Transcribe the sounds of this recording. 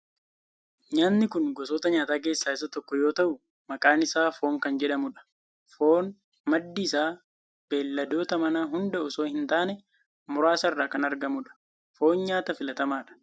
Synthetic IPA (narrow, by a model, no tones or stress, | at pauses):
ɲaːnːɪkʊnɡɔsoːt̪ɐɲaːt̪aːk̬e̞ːsːaːɪs̬ɐt̪ɔkːɔjoːt̪ɐʔʊ | mɐkʼaːnɪsaːfo̞ːŋkɐnd͡ʒɛᶑɐmʊᶑɐ̥ | fo̞ːn | mɐd̪ːɪːsaː | b̥e̞ːlːɐd̪o̞ːt̪ɐmɐnaːɦʊnd̪ɐʔʊsoːhɪnt̪aːnɛ | mʊɾaːsɐɪrːaːkɐnɐɾɡɐmʊᶑɐ̥ | fo̞ːnɲaːt̪ɐfɪlɐt̪ɐmaːᶑɐ̥